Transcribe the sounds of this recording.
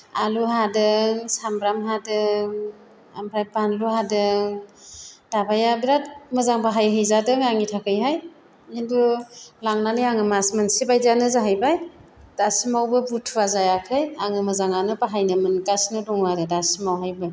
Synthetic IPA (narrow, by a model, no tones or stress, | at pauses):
aluhadɯŋsambɾamhadɯŋ | ampʰɾajpanluhadɯŋ | d̥abajabiɾatmɯzaŋpaɦajɦɯjzadɯŋaŋitʰakʰɯjɦaj | indulaŋnanɯjaŋɯmasmansibajzanɯzaɦajbajd̥asimawbɯbutʰuazajakʰɯjaŋɯmɯzaŋanɯpaɦajnɯmɯnkasnɯdɔŋwadɯdasimawɦajbɯ